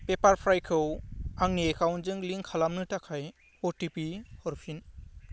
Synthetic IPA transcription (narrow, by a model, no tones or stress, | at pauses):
pepaɾpʰɾajkʰɯwaŋniekawnzɯŋliŋkʰalamnɯtakʰaj | ɔʈipihɔɾpʰin